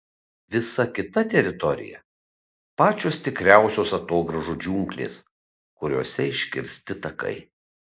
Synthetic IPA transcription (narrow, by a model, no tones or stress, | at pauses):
ʋʲɪsɐkʲɪt̪ɐt̪ʲɛɾʲɪt̪ɔɾʲɪ̰jɛ̰ | pɑːt͡ʃʲoːst̪ʲɪkɾʲæˑʊsʲoːsɐt̪oːɡɾɐʒud͡ʒʲuːŋʲklʲḛːs | kʊɾʲo̰ːsʲɛɪʃʲkʲɪ̰ɾʲsʲt̪ʲɪt̪ɐkɐ̰ɪ